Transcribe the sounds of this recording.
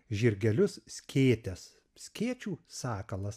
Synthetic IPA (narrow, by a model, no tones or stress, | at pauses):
ʒʲɪɾʲɡʲɛlʲʊssʲkʲʰeːt̪ʲɛs | sʲkʲeːt͡ʃʲuːsɑːkɐlˠɐs